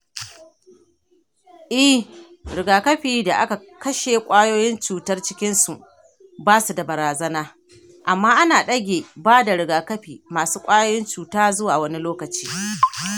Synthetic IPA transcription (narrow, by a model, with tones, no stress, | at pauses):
ʔɪ˦ | ɽɪ˨ɡaː˨kɐ˦ɸiː˨da˨ʔa˦ka˨ | kɐ˦ʃe˨kʷʼaː˦joː˦jɪ˦nt͡ʃuː˨tɐ˦rt͡ʃɪ˦kʲɪ˦nsu˨ʔ | baː˦su˨da˨bɐ˨ɾaː˨zɐ˦naː˦ | ʔa˨mːaː˦ʔa˦naː˨ɗɐ˦ɡʲeː˨baː˦da˨ɾɪ˨ɡaː˨kɐ˦ɸiː˨maː˨suː˦kʷʼaː˦joː˦jɪ˦nt͡ʃuː˨taː˦zʊ˦waː˨wɐ˦ni˦loː˦kɐ˨t͡ʃi̥ː˦